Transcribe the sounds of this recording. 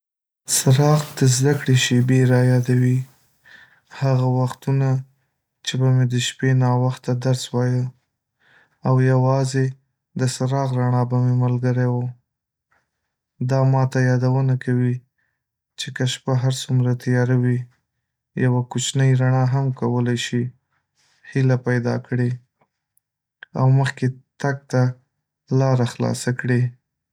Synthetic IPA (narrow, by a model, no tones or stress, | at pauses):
saɾɑɣd̪əzd̪akɽeʃebeɾɑjɑd̪awi | haɣawaxt̪una | t͡ʃebamed̪əʃpenɑwaxt̪ad̪aɾswɑjə | awjawɑze | d̪əsaɾɑɣɾaɳɑbamemalɡəɾawo | d̪ɑmɑt̪ajɑd̪awənakawi | t͡ʃekaʃpaɦaɾsumɾat̪ajɑɾawi | jawakut͡ʃnəjɾaɳɑɦamkawəlajʃi | hilapajd̪ɑ̰kɽe | a̰wməxket̪aɡ̚t̪a | lɑɾaxlɑ̰sakɽi